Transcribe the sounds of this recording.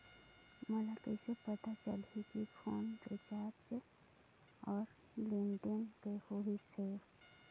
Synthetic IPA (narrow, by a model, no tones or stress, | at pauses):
məlakesepət̪at͡ʃəlikikʰoːnket͡ʃaːɾt͡ʃ | ɔːɾ | liɳɖənkehoɦise